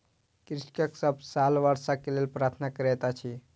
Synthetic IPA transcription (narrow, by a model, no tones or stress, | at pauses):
kɾiskəksəbsalʋaɾsakelelpɾat̪ʰnakəɾɛt̪at͡ʃʰi